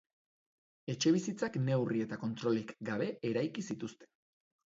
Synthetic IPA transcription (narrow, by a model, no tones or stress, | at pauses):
e̞t͡ʃe̞β̞isit͡sakne̞wrie̞t̪ako̞nt̪ɾo̞likɡaβe̞eɾajkisit̪ust̪e̞̥